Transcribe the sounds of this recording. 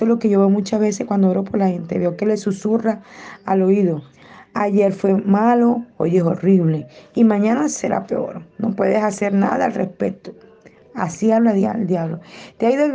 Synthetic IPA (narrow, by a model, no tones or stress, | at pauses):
eloke̞ʝo̞βeomũt͡ʃazβe̞seskwand̪ooɾopoɾlahent̪eβeokele̞susuraalo̞iðo̞ | aʝe̞ɾfwe̞malo̞o̰ʝeso̞riβle̞imãɲanase̞ɾʔa̰pe̞o̞̰ɾno̞pwe̞ðesase̞ɾna̰ðaːlrespe̞t̪o | asiaβlaðald̪jaβlo̞t̪eaiðo